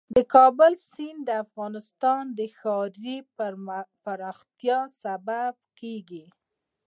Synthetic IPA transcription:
d̪əkɑbʊlsind̪əafɣɑnɪst̪ɑnd̪əxɑɾi | paɾɑxt̪jɑsabab̚keɡi

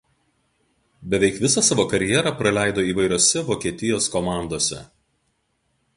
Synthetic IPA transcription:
bʲɛʋʲɛɪkʋʲɪsɑsɑːʋoːkɐɾʲɪjɛɾɐˑpɾɐlʲæˑɪd̪oːiːʋɐɪɾʲoːsʲɛʋoːkʲiɛt̪ʲɪjoːskɔmɑˑnd̪oːsʲɛ̰

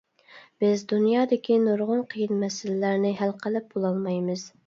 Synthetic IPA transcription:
b̥ɪzd̪unjɑːd̪ɪkʲʰinoɾʁʊnqʰəjɨnmɛsɪlɪlæɾnɪɦælqʰəlɪp̚bolˠɑlˠmɑjmɨz̥

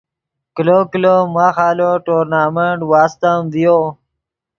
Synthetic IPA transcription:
kilokilomaːxaːloʈoːɾnaːmeɳʈwaːst̪əmvijo

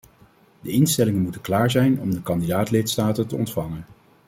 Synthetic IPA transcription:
dəɪnstɛlɪŋənmutəklaːɹzɛjnɔmdəkɑndidaːtlɪtstaːtətəɔ̰ntfɑŋən

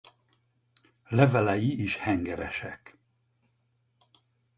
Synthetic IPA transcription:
lɛvɛlɛjiiʃhɛŋɡɛɾɛ̰ʃɛk

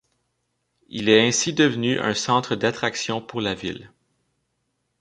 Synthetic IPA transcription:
ilɛɛ̃sid̪əvnyʔœ̰̃sɑ̃ːt̪χəd̪at̪χaksjɔ̃puʁlavil

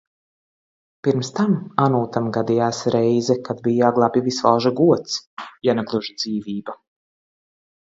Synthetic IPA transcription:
piɾmst̪amanuːt̪amɡad̪ijaːsɾɛjzɛkad̪bijaɡlˠaːpʲivisvalˠʒaɡuɔt̪sjanɛklˠuʒd̪z̥iːviːba

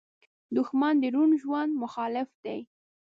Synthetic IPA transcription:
d̪ʊxmɑnd̪əɾunʒwand̪mʊxɑlɪfd̪aj

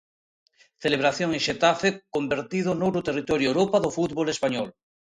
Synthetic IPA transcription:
θeleβ̞ɾaθjoŋẽŋʃet̪afekombeɾt̪iðonowɾot̪erit̪ɔɾjoewɾopaðofut̪βolespaɲɔl

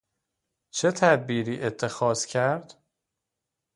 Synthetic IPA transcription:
t͡ʃʰe̞t̪ʰæd̪̚biːɾiːʔe̞t̪ʰːe̞xɒːz̥cʰæɾd̪̥

